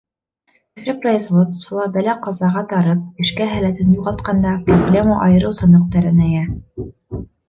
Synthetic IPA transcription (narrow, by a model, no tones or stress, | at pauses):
ʃɘpresvot̪ʃulˠɑbælæqɑzɑʁɑt̪ɑɾɤp̚ɘ̆ʃkæɦælæt̪ɘnjuʁɑlˠt̪̚qɑnd̪ɑproblʲe̞məʔɑjɤ̆ɾɤwsɤ̆nɤ̆q̚t̪ɑɾɘnæjæ